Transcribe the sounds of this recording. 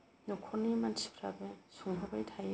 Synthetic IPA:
nukʰɔnimansi̥pʰɾabesuŋɦabajtʰaj

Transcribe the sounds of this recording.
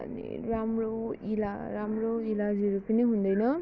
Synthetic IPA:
nḭ | ɾamɾɯwila | ɾamɾɯwilaziɾupiniɦund̪ajnɯ

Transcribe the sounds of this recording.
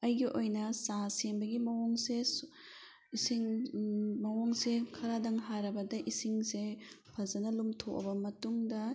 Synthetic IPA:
ɐjɡiʔojnɐsasembɐɡimɐwoŋses | isiŋ | mɐwoŋsekʰɐɾadɐŋɦaɾɐbɐdɐʔisiŋse | pʰɐzɐnɐlumtʰokɐ̰bɐmɐtuŋdɐ

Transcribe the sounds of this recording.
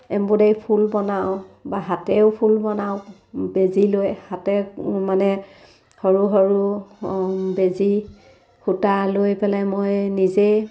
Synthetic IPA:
ɛmbɔdejpʰulbɔnawbaɦatɛʊpʰulbɔnaʊ | bezilojhatɛmanɛ | hɔɹuɦɔɹu | bezi | hutalojpɛlɛmojnize

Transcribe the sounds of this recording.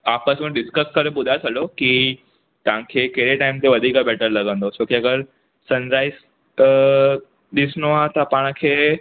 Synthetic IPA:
aːpəsmũɖɪskəskɐɾeɓʊd̪ʱasɐɗjoki | t̪ɐʋ̤ãkʰeːkeɦɾeʈaːɪmt̪ʰeʋɐd̪ʱiːkabɛːʈəɾlɐɡʱə̃nd̪ot͡ɕoːkeɐɡəɾ | sɐ̃nzaːɪs | ɗɪsnoat̪ɐpaːɽ̃ə̆kʰeː

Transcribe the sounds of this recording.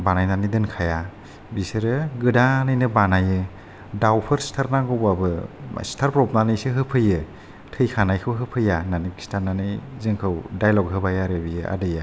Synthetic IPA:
banajnanɯjdɯnkʰaja | bisɯɾɯɡɯdanɯjnɯbanajɯ | dawpʰɯɾstʰaɾnaɡɯwbabɯ̰stʰaɾpɾɔp̚nanɯjsɯɦɯpʰɯjɯ | tʰɯjkʰanajkʰɯwɦɯpʰɯjananɯkstʰaɾnanɯjzɯŋkʰɯwdajlɔkɦɯbajaɾɯbijɯʔa̰dɯja

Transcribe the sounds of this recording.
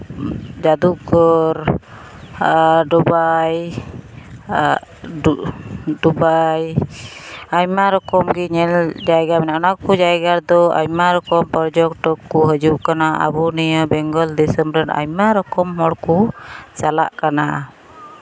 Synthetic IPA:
d͡ʒad̪uɡɔɾ | ɖubaj | dubaj | aimaɾɔkɔmɡiɲɛld͡ʒaiɡaminanakud͡ʒajɡaɾd̪ɔa̰jmaɾɔkɔmpɔɾd͡ʒɔk̚ʈɔkːuɦəd͡ʒuʔkanaa̰buniabɛŋɡɔldisɛmbɾəna̰imaɾɔkɔmhɔɽkusala̰ʔkana

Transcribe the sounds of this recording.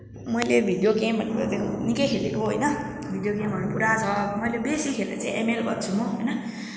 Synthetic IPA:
mʌjlebʱid̪jokẽbʱʌnːekʌ̰d̪ekonikʌjkʰelḛkoɦojnʌ | bʱid̪jok̬ẽbʱʌnupuɾat͡sʰʌmʌjlebesikʰelḛt͡sãḭ̃ʔemelbʱʌ̰t̪t͡sʰumoɦojnʌ

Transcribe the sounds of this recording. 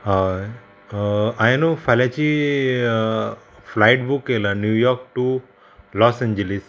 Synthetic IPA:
ɦa | ajnofalat͡ʃi | flajʈbukːelanjujɔɾk̚ʈu | lɔsẽɲd͡ʒəlis

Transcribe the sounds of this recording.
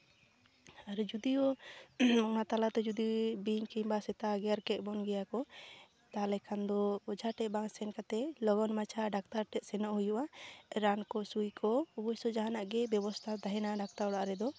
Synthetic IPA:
aɾɛd͡ʒud̪ijɔ | ɔnat̪alat̪ɛd͡ʒud̪ibiɲkɛjbasɛt̪aɡjaɾkɛt̪̚ˀbɔnɡɛjakɔ | t̪alɛkʰand̪ɔːd͡ʒʱaʈɛt̪̚baŋsɛnkat̪ɛlɔɡɔnmat͡ʃʰaɖak̚t̪aɾʈɛt̪̚sɛnɔʔhujuʔaɾankɔsujkʰɔɔbɔjsɔd͡ʒaɦanaʔɡɛbɛbɔst̪ʰad̪aɦɛnaɖak̚t̪aɾɔɽaʔɾɛd̪ɔ

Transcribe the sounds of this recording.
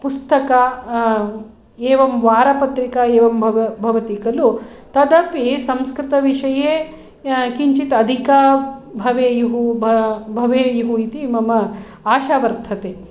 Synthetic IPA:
pust̪ɐka | eːʋɐmʋaːɾɐpɐt̪ɾikaeːʋɐmbɐbʱɐʋɐt̪ikɐlu | t̪ɐd̪ɐpisɐmskɾit̪ɐʋiʂɐjeː | kiɲt͡ʃit̪ɐd̪ʱikabʱɐʋeːjuɦubbʱɐʋeːjuɦuit̪imɐmɐ | aːʃaːʋɐɾt̪ʰɐt̪eː

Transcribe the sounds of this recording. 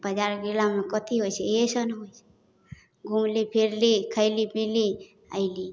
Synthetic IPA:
bəd͡ʒaɾɡilamekɔt̪iɦojt͡ʃʰɛesənɦojt͡ʃʰe̥ | ɡʱumlipʰiɾlikʰəɪlipili | a̰ɪli

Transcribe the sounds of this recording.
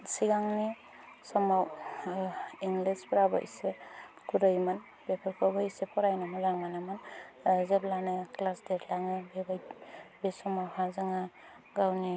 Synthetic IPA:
siɡaŋni | sɔmaw | iŋlispɾabɔ̰ʔḭse | kuɾɔjman | bepʰaɾkʰɔbɔisepʰɔɾajnamɔzaŋmanamanzeblanɯklasdeɾlaŋɯbebajbesɔmahazaŋa | ɡawni

